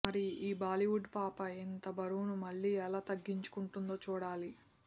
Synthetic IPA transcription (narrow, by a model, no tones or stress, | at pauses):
mɐɾiiːbaːliʋuɖpaːpɐint̪ɐbɐɾuːnumɐɭːiːɛlaːt̪ɐɡːiɲt͡ʃu̥kuɳʈund̪o̞ːt͡ʃuːɽaːli